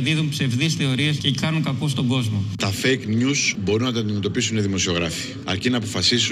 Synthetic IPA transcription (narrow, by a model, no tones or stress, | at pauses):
ðiðumpse̞vðisθe̞o̞ɾiescekɐnuŋkɐkost̪o̞ɡo̞zmo̞t̪ɐfejknusbo̞ɾunɐt̪ɐnd̪ime̞t̪o̞pisuniðimo̞sio̞ɣɾɐfi̥ | ɐ̰ɾcinɐːp̬o̞fɐsisu